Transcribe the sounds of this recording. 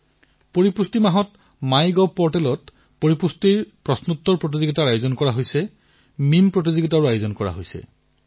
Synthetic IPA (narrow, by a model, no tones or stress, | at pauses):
poɹipustimaɦɔt | majɡɔpɔɹʈɛlɔt | poɹipustiɹpɹɔsnut̪ːɔɹpɹot̬izoɡitaɹajozɔnkɔɹaɦojsɛ | mimpɹot̬izɔɡitaɹuajozɔnkɔɹa̰ɦojsɛ̰